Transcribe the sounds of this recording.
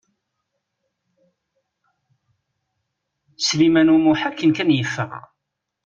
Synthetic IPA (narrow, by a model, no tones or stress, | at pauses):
slimænumuħækːənkænjəfːə̰